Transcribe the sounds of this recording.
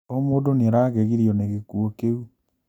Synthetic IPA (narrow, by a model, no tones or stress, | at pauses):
omoːdoneɾaɣɛɣiɾjɔneɣekuokeu